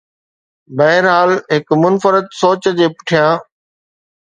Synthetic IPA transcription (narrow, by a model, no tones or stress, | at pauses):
bɐɦɪɾɦaːlɦɪkmʊnfəɾət̪soːt͡ɕəd͡ʑeːpʊ̥ʈʰijãː